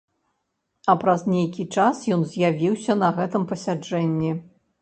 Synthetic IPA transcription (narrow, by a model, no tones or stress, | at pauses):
ɐpɾɐznʲejkʲit͡ʂasjɔnzʲjavʲiwsʲɐnɐɣɛt̪ɨmpɐsʲad͡ʐɛnʲːi